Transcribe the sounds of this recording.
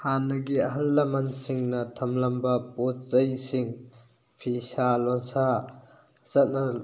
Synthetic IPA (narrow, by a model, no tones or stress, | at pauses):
hanːɐɡiɐɦɐnlɐmɐnsiŋnɐtʰɐmlɐmbɐpɔtzɐjsiŋ | pʰisalɔŋsa | zɐt̚nɐ